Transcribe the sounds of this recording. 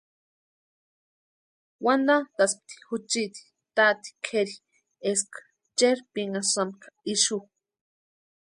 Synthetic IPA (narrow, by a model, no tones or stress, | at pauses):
wand̪at̪aspt̪i̥xut͡ʃit̪i̥ | t̪at̪i̥kʰeɾi | eskḁ | t͡ʃeɾpiŋasamkḁiʃu